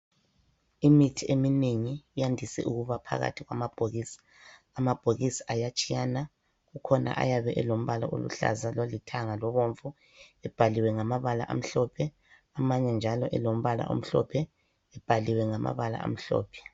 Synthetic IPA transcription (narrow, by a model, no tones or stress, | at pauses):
imitʰiemineŋijandʱisɛ̰ʔuɣuβapʰa̰ɣa̰tʰiɣwa̰mab̥ʱoɣiːsḁː | mab̥ʱoɣisḁʔajat͡ʃʼijana | ɣukʰɔna̰ʔa̰jaβɛʔɛlom̩βalaʔo̰lṵɬa̰zalolitʰaŋalɔβoɱvu | ɛb̥ʱaliwɛŋamaβala̰ʔa̰m̩ɬɔpʰɛ | amaɲɛnd͡ʒʱalɔʔɛlom̩βala̰ʔo̰m̩ɬɔpʰɛ | ɛb̥ʱaliwɛŋamʔa̰βala̰a̰m̩ɬɔ̰ːpʰɛ̥